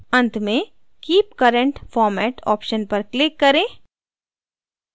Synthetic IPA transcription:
ɐ̃nt̪ʰmẽ | kiːp̚kɐɾə̃ɳʈfɔːɾmɛːʈɔ̰ːpʃənpɐɾklɪkːɐɾẽː

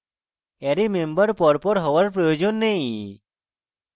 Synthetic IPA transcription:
eɾimẽmbəɾpɔɾpɔɾɦɔʋəɾpɾɔjod͡ʒonːeĩ

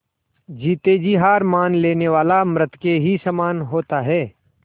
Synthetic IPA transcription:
d͡ʒiːt̪ed͡ʒiɦaːɾmaːnleːneʋaːlamɾət̪keɦisəmaːnɦoːt̪aɦɛː

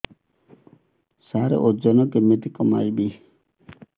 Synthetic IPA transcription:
saɾḛʔod͡ʒɔnɔkemet̪ikɔma̰jbi

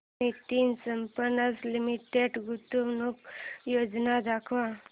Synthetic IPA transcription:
iʈinɡsəmpənaslimiʈeɖɡut̪uʋnukjod͡znad̪akʰʋa

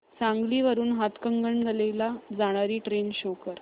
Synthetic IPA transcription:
sãŋɡliːʋəɾuːnɦat̪kəŋɡəɳɡəlelad͡zaɽ̃aɾiːʈɾenɕokəɾ

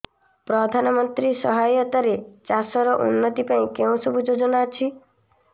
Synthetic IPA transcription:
pɾɔd̪ʱanɔmɔnt̪ɾisɔɦajɔt̪aɾet͡ʃasɔɾɔʔṵnːɔt̪ipaĩkeũsɔbʱud͡ʒod͡ʒɔnaːt͡ʃʰi

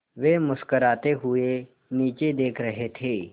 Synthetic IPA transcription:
ʋeːmʊskəɾaːt̪eɦʊe | niːt͡ʃed̪eːkʰɾɐɦet̪ʰeː

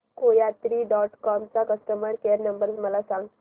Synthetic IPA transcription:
koːjaːt̪ɾiɖɔːʈkɔːmt͡ʃakɐsʈəməɾkejəɾnɐ̃mbəɾzmɐlasãːŋɡ

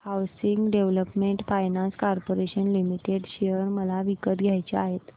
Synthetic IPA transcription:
hawsiŋɡɖeʋləpmeɳʈfajnãnskaɾpoɾeɕənlimiʈeɽɕejəɾməlaʋikət̪ɡʱjajt͡ɕeaɦet̪

